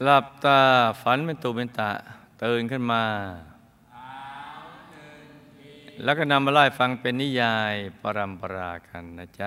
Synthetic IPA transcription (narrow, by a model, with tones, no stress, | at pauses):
la˨˩p̚t̪aː˧˩fa˨˦˥nme˧˨nt̪u˧˩me˧nt̪a̰˨˩ʔt̪ɤː˧nkʰɯ˥˩nmaː˧ | lɛː˦˥wkɔː˥˩na˧mːaː˧laː˧˥˩jfa˧ŋpe˧nːi˦˥˨jaː˧jpaː˧ɾa˧mpa˧ɾaː˧ka˧nːa˦˧˩t͡ɕa˧